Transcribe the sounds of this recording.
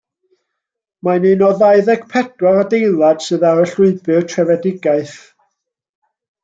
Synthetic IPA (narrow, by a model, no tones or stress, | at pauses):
maninɔðaɨðɛɡpʰɛd̥waɾadejlˠad̥sɨðaɾəɬʊɨbɨrtʰrɛvɛdɪɡaɨθ